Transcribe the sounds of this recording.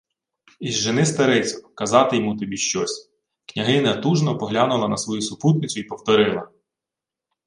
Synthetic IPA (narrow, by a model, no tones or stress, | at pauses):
izʒenɪst̪ɐɾɛt͡sʲɔkɐzɑt̪ɪjɔmut̪ɔbʲiʃt͡ʃɔsʲ | knʲɐɦɪnɐt̪uʒnɔpɔɦlʲɑnʊlˠɐnɐsʋɔjusʊput̪nɪt͡sʲʊipɔwt̪ɔɾɪlˠɐ